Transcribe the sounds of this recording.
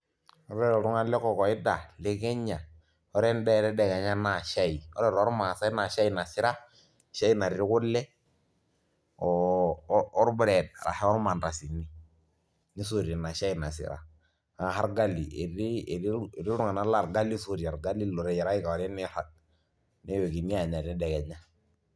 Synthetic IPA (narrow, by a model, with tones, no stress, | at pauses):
ɔ˦ɾɛ˦ɾɔ˨ɾu˦ŋa˦lɛ˦kɔ˨kɔ˨i˦da˨lɛ˦kɛ˦ɲːa˨ | ɔ˦ɾɛ˦ndɛ˦˨ɾɛ˦dɛ˨ka˨ɲa˦na˨ʃa˦i˨ɔ̰˦ɾɛ˦˨ɾɔ˦ɾma˨sa˦i˦na˨ʃa˦i˨na˨si˦ɾa˦˨ | ʃa˦i˦na˨ɾɾi˦ku˦lːɛ˦ | ɔ˨ | ɔ˦ɾbu˦ɾɛ˨d̚a̰˨ɾa̰˨hɛ˦ɔ˦ɾma˨nɾa˨si˨ni˦ | ni˦so˨ɾi˨na˨ʃa˦i˨na˨sḭ˨ɾa̰˨ | a˨ɦa˦ɾɡa˦lːi˨ɾi˦˨ɾi˦˨ɾi˦lu˦ŋa˨na˦la˦˨ɾɡa˦li˦so˦˨ɾi˨a˨ɾɡa˦lːi˦lɔ˨ɾɛ˨jɛ˨ɾa˦i˦ka˨ɔ˨ɾɛ˦ni˦ha˨ | nɛ˦we˨ɡi˨ni˦ja˨ɲa˨ɾnɛ˦dɛ˨ɡɛ˨ɲa˦